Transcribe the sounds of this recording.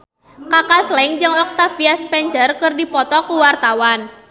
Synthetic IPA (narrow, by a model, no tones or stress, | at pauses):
kakaslɛŋd͡ʒɨŋɔk̚t̪afiaspɛɲt͡ʃərkərdipɔt̪ɔkuwart̪awan